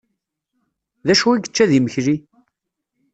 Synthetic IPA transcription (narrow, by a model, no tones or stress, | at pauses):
ðæʃuwiɡət͡ʃːæðiməçɾi